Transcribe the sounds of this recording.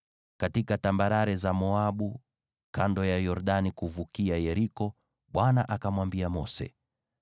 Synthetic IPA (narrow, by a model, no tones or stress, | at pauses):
katikatambaɾaɾɛzamɔaɓu | kandɔjajɔɾɗanikuvukiajɛɾikɔ | ɓwanaʔakamwambiamɔsɛ̰